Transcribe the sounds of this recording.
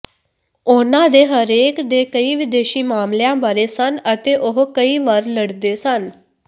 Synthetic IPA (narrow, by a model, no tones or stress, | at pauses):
onãːd̪eːɦəɾeːkd̪eːkəiːʋɪd̪eːʃiːmaːmljãːbaːɾeːsənət̪eːʔoɦkəiːʋaɾləɽd̪eːsən